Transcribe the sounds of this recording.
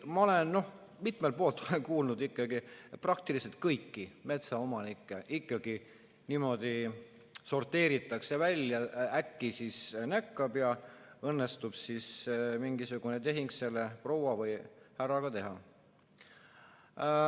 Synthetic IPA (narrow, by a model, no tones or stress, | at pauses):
mɑo̞le̞nno̞h | mit̪melt̪̚po̞ːlt̪ːˑolekuːlnud̪ikˑːɑɡiprɑk̚t̪ilise̞lt̪̚kɤjkːime̞t̪sɑo̞mɑnikːˑeʔikːɑɡ̥i | nimo̞d̪̥i | so̞rt̪ːe̞ːɾit̪ːˑɑkse̞vælʲːjɑækːisisnækːɑb̥jɑ | ɤnːe̞st̪ub̥sismiŋɡ̥isuɡ̥unet̪e̞ɦiŋɡ̥se̞lːepro̞wvɑvɤjhærɑɡ̥ɑt̪e̞ɦɑ